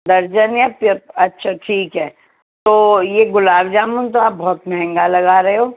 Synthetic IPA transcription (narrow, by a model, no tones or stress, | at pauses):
d̪ɐɾd͡ʒənjapəɐtːʃʰaʈʰiːkɦɛː | t̪oːjeɡʊlaːbd͡ʒaːmunt̪oaːp̚bɔɦːt̪mɛɦɛ̃ŋɡalɐɡaːɾɐɦeɦoː